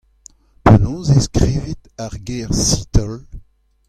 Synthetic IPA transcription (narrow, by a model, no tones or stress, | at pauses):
penɔ̃zeskʁiːvit̪aʁɡeʁsit̪ɔl